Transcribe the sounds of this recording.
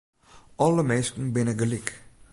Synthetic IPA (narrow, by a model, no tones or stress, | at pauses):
ɔləmɛskəŋ̩benəɡəlik